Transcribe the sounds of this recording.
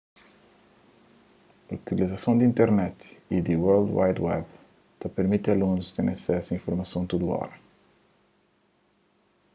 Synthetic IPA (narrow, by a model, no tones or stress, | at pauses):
ɐut̪ilizɐsɐ̃w̃d̪ĩnt̪ɛɾnɛt̪id̪iwɛɾld̪wa̰jd̪wɛb | t̪ɐpeɾmit̪ɐlũnust̪ẽɾ̃ɐsɛsɐĩfuɾmɐsɐ̃w̃t̪ud̪ua̰ɾ